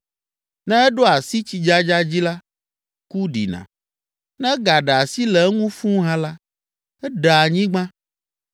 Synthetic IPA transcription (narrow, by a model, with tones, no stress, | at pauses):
nɛ̃˦ɛ˦ɖo˦a˨si˦t͡ɕi˨d͡ʒa˦d͡ʒa˦d͡ʑi˦la˦ | ku˦ɖḭ˨nã̰˨ | nɛ̃˦ɡa˨ɖa˨si˦lɛ˨˦ŋũ˦fũ˦ɦã˦la˦ | ɛ˦ɖa˨a˨ɲĩ˦ɡ͡bã˦